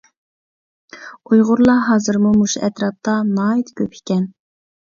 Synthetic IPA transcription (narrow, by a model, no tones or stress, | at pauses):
ujʁʊɾlˠɑɦɑːzɨɾmumuʃɛt̪ɾɑp̚t̪ɑnɑːit̪kʲʰøpʰi̥kʲɛn